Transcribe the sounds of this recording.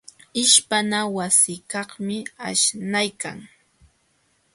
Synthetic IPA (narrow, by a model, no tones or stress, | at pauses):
ɪʃpanawasɪkɑχmɪaʃnajkaŋ